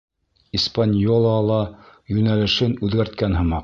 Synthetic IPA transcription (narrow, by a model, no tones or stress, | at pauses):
ispanʲjolˠɑlˠɑjʉnælɘ̆ʃɘnʉðɡæɾt̪̚kænɦɤ̆mɑq